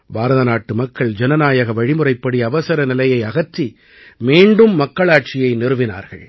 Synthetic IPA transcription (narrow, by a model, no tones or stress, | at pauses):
baːɾɐðɐnaːʈːɯmɐkːɐɭd͡ʒɛnɐnaːjɐɣɐʋɐɻɪmɯrɐɪpːɐɽiɐʋɐsɐɾɐnɪlɐjɐɪɐɣɐt̪ːi | miːɳɖɯmːɐkːɐɭaːʈ̚t͡ʃɪjɐɪnɪɾɯʋɪna̰ːɾɣɐ̰ɭ